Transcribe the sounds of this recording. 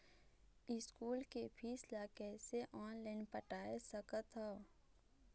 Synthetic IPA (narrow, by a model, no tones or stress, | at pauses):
ɪskuːlkepʰiːslakɛːseʔɔːnlaɪnpəʈaːesəkət̪ɦɔ